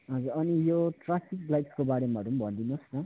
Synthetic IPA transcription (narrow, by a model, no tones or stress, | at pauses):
ɦʌd͡zuɾʌnijoʈrapʰik̚blajʈskobaɾemaʌɾumbʱʌnd̪inosnʌ